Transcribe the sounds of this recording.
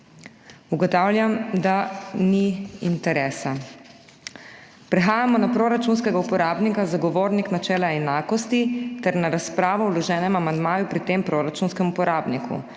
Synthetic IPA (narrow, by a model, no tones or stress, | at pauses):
uɡɔt̪aːwlʲjamd̪aniint̪ɛɾɛːsa | pɾɛxaːjamɔnapɾoːɾat͡ʃunskɛɡaupɔɾaːbnikazaɡɔʋoːɾniknat͡ʃɛːlaɛnaːkɔst̪it̪ɛɾnaɾaspɾaːʋɔwlɔʒɛːnɛmamand̪maːjupɾit̪eːmpɾoɾat͡ʃunskɛmupɔɾaːbnikʰṵ